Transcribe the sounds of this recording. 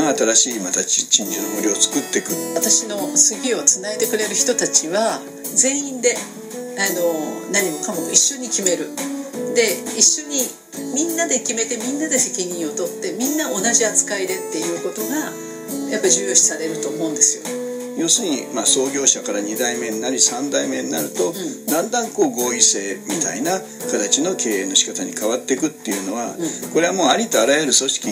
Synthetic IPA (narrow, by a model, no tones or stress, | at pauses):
at̪ad̪aɕiːmat̪ai̥t͡ɕĩɲd͡ʑanomoɾʲiot͡sɨ̥kɯ̟t̪ːe̞kɯ̟at̪aɕino̞sɨɡʲio̞t͡sɨnaet̪e̞kɯ̟ɾe̞ɾɯ̟çi̥t̪o̞t̪at͡ɕiβa | ze̞ːĩnd̪e̞ | ano̞naɲ̟imo̞kamo̞iɕːo̞ɲ̟ikʲime̞ɾɯ̟d̪e̞iɕːo̞ɲ̟i | mʲĩnːad̪e̞kʲime̞t̪e̞mʲĩnːad̪e̞se̞kʲiɲ̟ĩɰ̃o̞t̪o̞t̪ːe̞mʲĩnːao̞naʑiat͡sɨ̥kaid̪e̞t̪ːe̞jɯ̟ːko̞t̪o̞ɡa | japːaiʑɨːjo̞ːɕi̥saɾe̞ɾɯ̟t̪o̞ːmo̞ɯ̃nd̪e̞sɨjo̞ | jo̞ːsɨɲ̟ḭmaso̞ːɡʲo̞ːɕakaɾaɲ̟id̪aime̞ɲinaɾʲisãnd̪aime̞ɲina̰ɾɯ̟t̪o̞d̪ãnd̪ãŋko̞ːɡo̞ːise̞ːmʲit̪aina | kat̪at͡ɕino̞kʰe̞ːeːnːo̞ɕi̥kat̪aɲ̟ikaβat̪ːe̞kɯ̟t̪ːe̞jɯ̟no̞βa̰ko̞ɾeamo̞ːaɾʲit̪o̞aɾajeɾɯ̟so̞ɕi̥kʲi